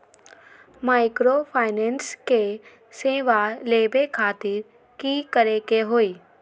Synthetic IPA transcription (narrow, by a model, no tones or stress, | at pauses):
maːɪkɾopʰaːɪnɛ̃nske | seːʋaleːbekʰaːt̪ɪɾ | kikəɾekeɦoːiː